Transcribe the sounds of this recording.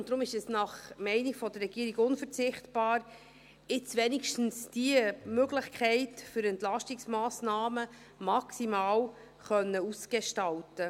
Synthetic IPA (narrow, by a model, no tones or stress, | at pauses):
ntd̥̪ɾʊmɪʃɛsnɑχmɛɪniɡ̥fɔd̥ərːɛɡ̥iːəɾiɡʊnfəɾt͡sɪχtb̥ɑːɾ | ɪt͡sʋɛnikʃtn̩sd̥iəmøɡlɪχkʰɛɪtfʏɾɛntlɑʃtiksmaːsnɑːmə | mɑksimaːw | χœnːəusɡ̥eʃtɑltə